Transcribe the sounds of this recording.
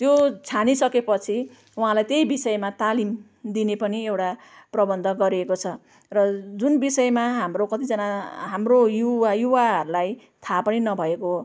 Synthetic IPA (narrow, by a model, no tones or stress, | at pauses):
t̪jot͡sʰanisʌkepʌt͡sʰi | uɦãlajt̪ejbisʌemat̪alim | d̪inepʌniewʈa | prʌbʌnd̪ʱʌɡʌɾiekot͡sʰʌ | rʌd͡zunbisʌemaɦamrokʌt̪id͡zʌnaɦamrojuajuwaɦʌɾulaj | t̪ʰapʌninʌbʱʌeko